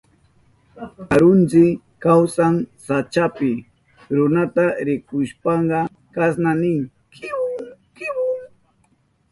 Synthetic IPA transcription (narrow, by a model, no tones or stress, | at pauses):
aɾʊnt͡sɪ | kawsaŋsat͡ʃapɪ | ɾʊnat̪aɾɪkʊʃpɑɴɢɑ | kasnanɪŋ | k